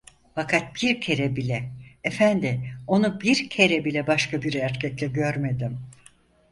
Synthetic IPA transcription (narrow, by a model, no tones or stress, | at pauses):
fakʰat̪̚biɾcʰe̞ɾɛbilʲɛːfænd̪ɪo̞nubiɾcʰe̞ɾɛbilʲɛbaʃkʰabiɾæɾcʰɛclʲɛɟø̞ɾme̞d̪im